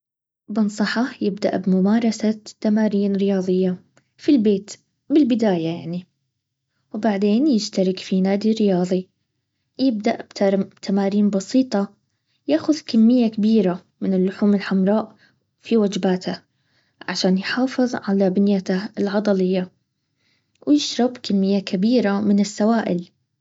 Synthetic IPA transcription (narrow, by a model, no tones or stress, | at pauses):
bɪnsˤɑħɑjɪbd̪a̰ʔbmʊmaːɾˤɑsat̪ːamaːɾiːnɾɪjɑːðˤɨjːa | filbeːt̪ | bɪlbɪd̪aːjajaʕni | wbaʕd̪eːnjɪd͡ʒt̪aɾɪkfinaːd̪irɪjɑːðˤi | jɪb̚d̪aʔbt̪t̪ʰamaːɾiːnbɑsiːt̪ˤɑ | jaːxʊðkamːɪjːakabiːɾa | mɪnɪlːʊħuːmɪlħamɾˤɑːʔ | fiwad͡ʒbaːt̪a | ʕaʃaːnjħɑːfɨðˤʕalabɪnjat̪aɪlʕɑd̪ˤɑlɪjːa | wjɪʃɾˤɑbkamːɪjːakabiːɾamɪnɪsːawaːʔɪ̰l